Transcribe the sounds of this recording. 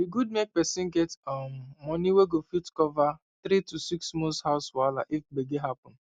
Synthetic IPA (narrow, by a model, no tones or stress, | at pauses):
wiɡud̚mek̚pɛsĩnɡɛtɔmːɔ̃niweɡofitkɔva | θɾitusiksmoshaʊsfala̰ʔifbeɡeɦapɔ̃n̩